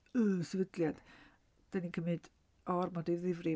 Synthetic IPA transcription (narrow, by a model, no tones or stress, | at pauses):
əsɛvədlˠjad̥ | d̥anikʰəmɨd̥ | ɔrmɔdiðɪvri